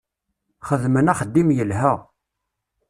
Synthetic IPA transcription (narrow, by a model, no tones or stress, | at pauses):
χəðmənæχəd̪ːimjəlɦæ